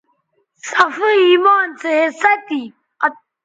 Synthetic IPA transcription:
sɐfiiːmaːnseɦesɐt̪i | ɐ

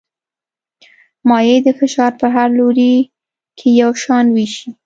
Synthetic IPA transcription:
mɑjed̪əfɪʃɑɾpəɦaɾloɾi | kʰejawʃɑnwiʃi

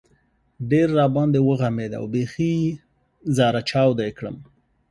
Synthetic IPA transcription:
ɖeɾːɑbɑnd̪ewəɣamed̪a̰wbexi | zɑɾat͡ʃɑwd̪ajkɽə̰m

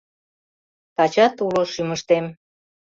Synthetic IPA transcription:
t̪ɑt͡ɕɑt̪uloʃyməʃt̪em

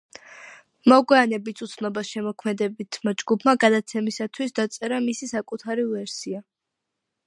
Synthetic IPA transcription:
mɔɡwɛanɛbisʰut̪sʰnɔbasʃɛmɔkʰmɛd̪ɛbit̪ʰmad͡ʒɡupʰmaɡad̪at̪sʰɛmisat̪ʰwisd̪at̪sʼɛɾamisisakʼut̪ʰaɾivɛɾsia

